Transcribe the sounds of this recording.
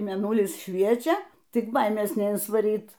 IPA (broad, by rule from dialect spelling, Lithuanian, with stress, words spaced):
mʲeːˈnʊlʲɪs ˈʃʲʋʲiɛt͡ʃʲɛ ˈtʲɪk ˈbɐɪmʲeːs nʲɛɪnsʋɐˈrʲiːt